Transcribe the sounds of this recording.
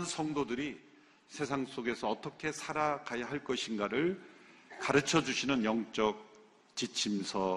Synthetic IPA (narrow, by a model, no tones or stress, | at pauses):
nsʰʌŋdodɯɾi | sʰe̞sʰaŋs͈oɡe̞sʰʌːt͈ʌkʰe̞sʰaɾakajaɦaɭk͈ʌɕʰinɡaɾɯɭkaɾɯt͡ɕʰʌd͡ʑuɕʰinɯnjʌŋt͡ɕ͈ʌk̚ | t͡ɕit͡ɕʰimsʰʌ